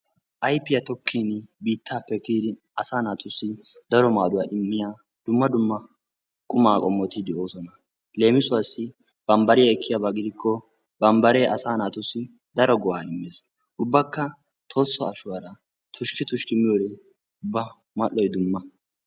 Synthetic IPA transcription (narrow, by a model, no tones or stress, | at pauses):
ʔɐjpːɪjɐt̪ɔkʰːiːnbiːt̪ʰːaːpːɛkiːd̪ɪ | ɐsaːnaːt̪ʊsːɪ | d̪ɐɾɔmaːd̪ʊwaːʔɪmːɪjaː | d̪̥ʊmːɐd̪ʊmːɐ | kʼʊmaːkʼɔmːɔt̪ɪd̪ɛoːsɔnɐ | le̞ːmɪsʊwasːɪ | b̥ɐmbɐɾɪjɐɛkʰːɪjabaɡɪd̪ɪkʰːɔ | bɐmbɐɾeːʔɐsaːnaːt̪ʊsːɪ | d̪ɐɾɔɡɔwaːɪmːeːs | ʊbːɐkːɐ | t̪ʰɔsːɔɐʃʊwɐɾɐ | t̪ʰʊʃkɪt̪ʊʃkɪmɪjɔɾɛ | ʊbːɐ | mɐlːɔjd̪ʊmːɐ